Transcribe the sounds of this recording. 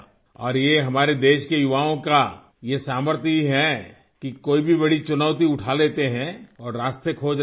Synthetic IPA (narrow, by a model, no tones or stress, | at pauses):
ɔːɾjeɦɐmaːɾed̪eːʃkejʊʋaːõka | jesaːməɾt̪ʰiɦɛ | kikoːibʱibɐɽ̤it͡ʃʊnaːʊt̪iʊʈʰaleːt̪eɦɛ̃ɔːɾːaːst̪ʰekʰoːd͡ʒ